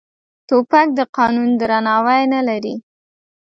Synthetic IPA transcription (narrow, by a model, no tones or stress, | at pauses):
t̪opak̚d̪əqɑnund̪ɾanɑwajnalaɾi